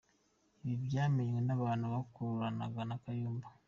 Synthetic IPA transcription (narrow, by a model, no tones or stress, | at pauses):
iβibjaːmeɲmwenaβaːnuβakuɾuɾana̰ɡanakajuːmba